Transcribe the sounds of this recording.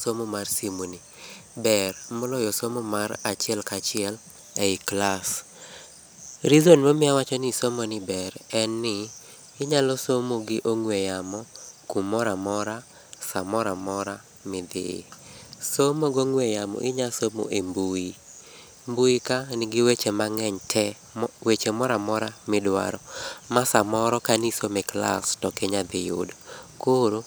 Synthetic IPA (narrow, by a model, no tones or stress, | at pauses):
somomarsimuni | bɛrmɔlɔjɔsomomaɾat͡ʃɪɛlkat͡ʃɪɛl | ɛɪklas | ɾizonmɔmɪawat͡ʃɔnɪsomɔnɪbɛɾɛnːɪː | ɲalɔsomoɡɪʔoŋwejamɔkumɔɾamɔɾa | samɔɾamɔɾa | mɪd̪ɪ̰somoɡoŋwejamɔ̰ʔɪɲasomo̰ʔembui | mbujikanɪɡɪwet͡ʃemaŋɛɲtʰɛ | wet͡ʃemɔɾamɔɾamɪdwa̰ɾɔmasamɔɾɔkanisomekla̰stɔkɛɲad̪ɪjo̰dkoɾo